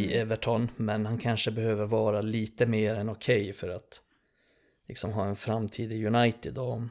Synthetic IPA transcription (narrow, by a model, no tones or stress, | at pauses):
iʔɛvəʈʰɔnmɛnhankʰanʂəbɛhøːvəɾvɑːɾaliːt̪əmeːɾɛnɔkʰɛjfœɾat̪ | lɪ̰ksɔmɦɑːɛnfɾamt̪ʰiːd̪ɪjɵnajt̪ɪd̪ɔ